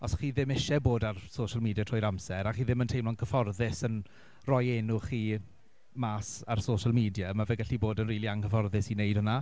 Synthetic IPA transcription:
ɔsχiːðɪmɪʃɛboːdarsoʃalˠmiːdjatʰrɔːjɾamsɛɾaχiːðɪməntʰejmlɔnkʰəfɔrðɪsən | rɔjeːnʊχiː | maːsarsoːʃalˠmiːdjamaveːɡaɬiboːdənriːlˠiaŋkʰəfɔrðɪsinejd̥həna

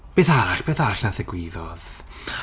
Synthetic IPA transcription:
b̥eːθaɾaɬb̥eːθaɾaɬnaðɛɡwɪðɔð̥

